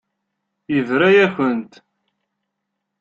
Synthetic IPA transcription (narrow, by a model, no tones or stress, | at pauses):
jəvɾæjæçənt̪